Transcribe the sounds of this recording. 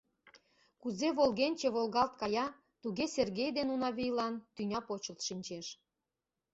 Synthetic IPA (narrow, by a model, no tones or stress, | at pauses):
kuzeβolɣenʲt͡ɕĕβolɣɑlt̪̚kɑjɑ | t̪uɣeserɣejd̪enunɑβijlɑnt̪ynʲɑpot͡ɕə̆lt̪ʃinʲt͡ɕeʃ